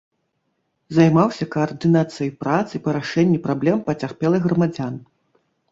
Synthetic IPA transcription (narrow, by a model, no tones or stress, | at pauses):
zajmawsʲɐkɐːrd̪ɨnat̪sɨjɐjpɾat̪sɨpɐɾaʂɛnʲːipɾablʲɛmpɐt͡sʲarpʲɛlˠɐɣɾɐmad͡zʲan